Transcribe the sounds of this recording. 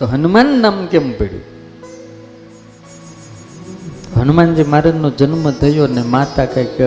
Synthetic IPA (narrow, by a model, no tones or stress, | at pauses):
t̪oɦənumanːaːmkempeɽjo̰ | t̪ɦənumand͡ʒiːmaːɾenõd͡ʒənməd̪ʱəjonemat̪akak